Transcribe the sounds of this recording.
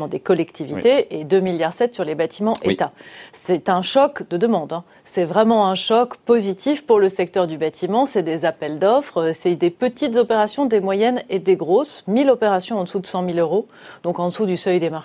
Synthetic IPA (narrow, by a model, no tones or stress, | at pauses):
mɑ̃d̪ekɔlɛkt̪ivit̪eʔed̪ømiljaʁsɛt̪syʁlebat̪ʰimɑ̃ʔḛt̪asɛt̪ɛ̃ʃɔkd̪əd̪əmɑ̃d̪ɛ̃ | sɛvʁɛmɑ̃ɛ̃ʃɔkpozit̪ʰifpuʁləsɛk̚t̪œʁd̪ybat̪ʰimɑ̃sɛd̪ezapɛld̪ɔfχøsɛd̪epət̪it̪zɔpeʁasjɔ̃d̪emwajɛned̪eɡʁosmilɔpeʁasjɔ̃ɑ̃d̪əsud̪əsɑ̃miløʁo | d̪̥ɔ̃kɑ̃d̪əsud̪ysœjd̪emaʁʃ